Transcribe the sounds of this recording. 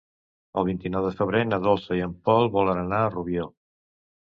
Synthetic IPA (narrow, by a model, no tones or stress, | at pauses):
əlˠβ̞int̪inɔwðəfəβ̞ɾenəðɔlˠsəiəmpɔlˠβɔlənənaəruβjo